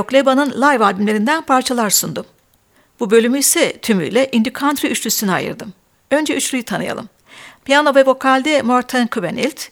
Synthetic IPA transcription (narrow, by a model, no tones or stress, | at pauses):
oklʲebanɯnlˠajvaːb̪imlʲe̞ɾind̪ænpʰaɾt͡ʃʰalˠaɾsund̪um | bubø̞lʲymyjsɛt̪ʰymy̰jlʲɛʔind̪ykʰant̪ɾiyt͡ʃlʲysyna̰jɯ̰ɾd̪ɯm | ø̞nd͡ʒɛyt͡ʃlʲyjit̪ʰanɯ̰ja̰lˠɯ̰m | pijano̞vɛvo̞kʰalʲd̪ɛmoɾt̪ʰɛnkʰuvenḭlʲt̪